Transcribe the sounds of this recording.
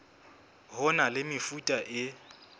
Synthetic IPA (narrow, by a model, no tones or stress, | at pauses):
ɦʊnalɪmɪfutʼaʔɪ